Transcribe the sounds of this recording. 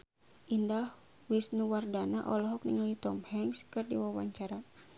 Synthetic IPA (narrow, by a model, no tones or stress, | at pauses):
ʔindah | wisnuwardanaʔɔlɔɦɔk̚niŋalit̪ɔmhɛŋskɨrdiwawa̰ɲt͡ʃaɾa